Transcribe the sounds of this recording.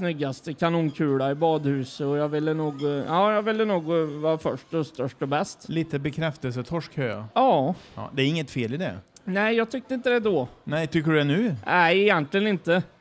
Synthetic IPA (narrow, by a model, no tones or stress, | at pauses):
snʏɡːast̪əkʰanuːnkʰʉ̟ːɽaɪbɑːd̪hʉ̟ːsəɔjɑːvɪlːənuːɡɑːjɑːvɪlːənuːɡvɑːɾfœʂʈɔst̪œʂʈɔbɛst̪liːt̪əbɛkʰɾɛft̪əlsət̪ʰɔʂkhœa̰ɑ̰ːd̪ɛæɾɪŋːət̪feːlɪd̪ɛ̰næɪjɑːɡ̚t̪ʰʏk̚t̪əɪnt̪əd̪ɛd̪oːnæɪt̪ʰʏkːəɖɵɛnʉ̟ːnʔæɪɪjɛnt̪ʰlɪɡənɪnt̪ə